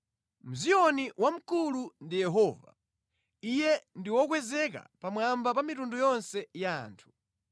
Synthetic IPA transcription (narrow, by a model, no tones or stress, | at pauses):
m̩zijɔniwam̩kulundijɛɦɔːva̰ | ijɛndiwɔkwɛzɛk̬a̰pamwambap̬amitundujɔnsɛja̰ːntʰu̥